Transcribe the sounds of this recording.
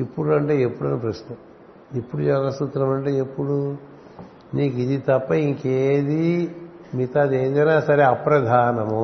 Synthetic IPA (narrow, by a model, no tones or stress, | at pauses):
ipːuɽɐɳʈe̞ːepːuɽɐnːɐpɾɐʃnɐm | epːuɽujɐːɡɐst̪ut̪ɾɐmɐɳʈeːepːuɽu | niːkid̪it̪ɐpːɐiŋkeːd̪i | mit̪ad̪eːd̪ɐnaːsɐɾeɐpɾɐd̪ʱaːnɐmu